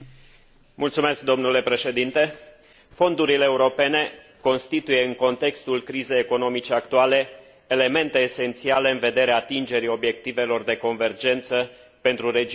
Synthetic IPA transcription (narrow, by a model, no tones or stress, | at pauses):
mult̪sume̞sk̚d̪o̞mnule̞pɾe̞ʃe̞d̪int̪e̞ | fo̞nd̪uɾileːuɾo̞pe̞ne̞ | ko̞nst̪it̪uje̞ɨŋko̞nt̪e̞kst̪ulkɾize̞jeko̞no̞mit͡ʃe̞akt̪uale̞ː | le̞me̞nt̪e̞ːse̞nt̪siale̞ɨnve̞d̪e̞ɾeaːt̪ind͡ʒe̞ɾio̞bje̞k̚t̪ive̞lo̞rd̪e̞ko̞nve̞rd͡ʒe̞nt̪sə | pe̞nt̪ɾuɾed͡ʒ